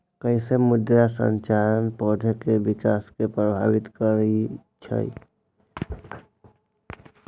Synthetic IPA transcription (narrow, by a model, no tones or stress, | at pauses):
kəɪsemʊd̪jasə̰̃ɲt͡ʃaːɾənpɔːd̪ʱəkebɪkaːskepɾəbʱa̰ːʋɪt̪kəɾəɦit͡ʃʰə̰ḭ